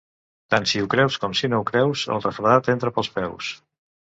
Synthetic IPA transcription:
t̪ansiukɾɛwskɔmsinoukɾɛwzə̰lˠrəfɾəðat̪ent̪ɾəpəlˠspɛws

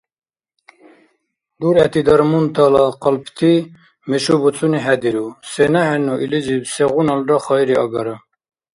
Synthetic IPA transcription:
d̪uɾɛt̪id̪ɑɾmunt̪ʰɑlɑqəlpt̪ʰi | meʃubut͡sʰuniɦɛd̪iɾusenaɦɛnuʔilizibseɣunɑlɾɑχɑjɾiɑɡɑɾə

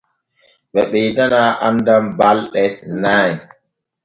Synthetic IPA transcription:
ɓɛɓɛjdanaːʔandambalɗɛnaːj

